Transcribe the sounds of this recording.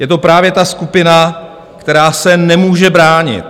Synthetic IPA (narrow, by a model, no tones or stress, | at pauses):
jɛt̪o̞pɾaːvjɛt̪askupɪna | kt̪ɛɾaːsɛnɛmuːʒɛbɾaːɲɪ̰t̪